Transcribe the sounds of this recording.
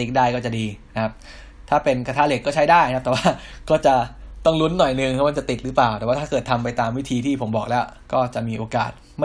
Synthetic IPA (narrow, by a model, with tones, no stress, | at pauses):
i˦k̚daː˥˩jkɔː˥˩t͡ɕa˨˩diː˧na˦kʰa˦˥p̚ | t̪ʰaː˥˩pe˧nkʰa˧t̪ʰa˦˥˩le˦˥kːɔ˥˩t͡ɕʰa˦˥jdaː˥˩jkʰa˦˥t̪ɛː˨˩waː˥˩kɔː˥˩t͡ɕa˨˩t̪ɔ˥˩ŋlu˦˥nːɔ˨˩jnɯ˨˧ŋkʰma˥˩t͡ɕa˨˩t̪i˨˩t̪̚ɾɯː˦˥plaː˨˩wt̪ɛː˨˩waː˥˩t̪ʰa˥˩kɤː˨˩t̪ʰːa˧mpa˧jt̪aː˧mwi˦˥t̪ʰiː˧t̪ʰiː˥˩pʰo˩˦mbɔ̰ː˨˩k̚lɛ˦˥w | kɔː˥˩t͡ɕa˨˩miː˧ʔoː˧ka̰ː˨˩t̪̚ | ma˥